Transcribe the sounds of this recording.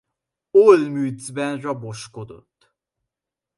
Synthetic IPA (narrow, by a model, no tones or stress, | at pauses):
olmyːd̪zbɛnrɒbo̞ʃko̞d̪o̞̰t̪ː